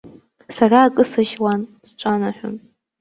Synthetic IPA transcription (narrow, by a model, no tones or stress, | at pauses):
saraːkʼɨsaʒwanz̥ʈ͡ʂʷʼanaħʷᶣʊ̰n